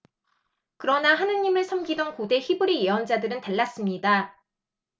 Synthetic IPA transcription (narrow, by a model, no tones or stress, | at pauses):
kɯɾʌnaɦanɯɲːimɯɭsʰʌmɡidʌnkode̞çibɯɾijeʌnd͡ʑadɯɾɯnteɭːas͈ɯmɲida